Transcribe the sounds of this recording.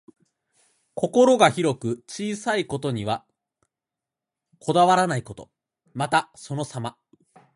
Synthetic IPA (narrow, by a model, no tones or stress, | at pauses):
ko̞ko̞ɾo̞ɡaçiɾo̞kɯ̟t͡ɕiːsaiko̞t̪o̞ɲ̟iβa | kʰo̞d̪aβaɾanaiko̞t̪o̞̰ | mat̪aso̞no̞sama